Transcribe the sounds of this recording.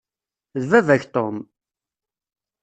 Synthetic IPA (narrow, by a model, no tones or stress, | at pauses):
ðvævæçt̪om